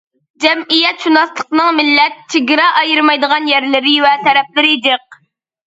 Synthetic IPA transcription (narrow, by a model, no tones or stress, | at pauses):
d͡ʒɛmijɛt̪ʃunɑslˠəqnɨŋmɪlːɛt̪̚t͡ʃʰeɡʲɪɾɑʔɑjɨɾmɑjd̪əʁɑnjɛɾlɪɾɪwɛt̪ɛɾɛp̚lɪɾɪd̪ɨq̚